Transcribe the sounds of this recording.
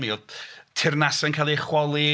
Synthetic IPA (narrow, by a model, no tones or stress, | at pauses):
miɔtʰɪrnasɛnkʰaːlˠiχwɔlˠi